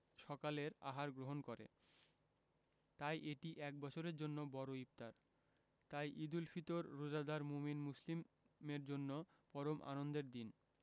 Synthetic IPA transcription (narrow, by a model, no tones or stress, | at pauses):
ʃɔkaleɾa̰ɦaɾɡɾoɦonkoɾḛ | t̪ajʔeʈiʔɛk̚bɔt͡ɕʰoɾeɾd͡ʑonːobɔɾoip̚t̪aɾ | t̪ajʔid̪ulfit̪oɾːod͡ʑad̪aɾmuminmuslim | meɾd͡ʑonːo | pɔɾomʔa̰nond̪eɾd̪in